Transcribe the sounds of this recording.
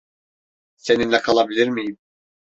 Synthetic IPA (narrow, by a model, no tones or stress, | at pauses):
se̞ninlʲɛkʰalˠabilʲiɾmijim